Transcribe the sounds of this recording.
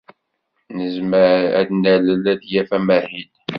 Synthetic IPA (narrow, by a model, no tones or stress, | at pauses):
nəzməɾæ̰d̪næləlæd̪jæfæmæhin